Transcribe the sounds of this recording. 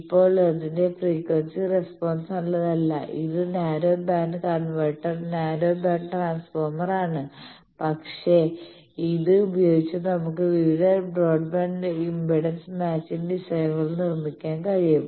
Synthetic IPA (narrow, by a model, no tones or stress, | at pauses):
ipːo̞ːɭeðinde̞priːkʋɐnsirespo̞ːnsɐɭːɐðɐlːɐ̰ʔḭðɨnaːɾo̞ːbaːnɖɨkɐrɐɳʋɐjʈːɐrnaːɾo̞ːbaːnɖʈraːnsfoːrmɐraːɳɨ | pɐkʂe̞ | iðɨubɐjo̞ːɡit͡ɕːɐnɐmukːɨʋiʋiðɐbro̞ːɖbaːɳɖɨimbiɽɐnsmaːt͡ɕːinʋiʂɐjɐŋːɐɭnirmikʲːaːnkɐɻijum